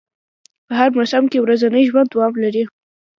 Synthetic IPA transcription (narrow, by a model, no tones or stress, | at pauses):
pəɦaɾmasamkewɾazanəjʒwand̪awɑmlaɾi